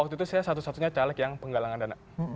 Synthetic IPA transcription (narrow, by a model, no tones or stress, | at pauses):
ak̚t̪uit̪usajasat̪usat̪uɲat͡ʃalɛkjaŋpəŋɡalaŋandana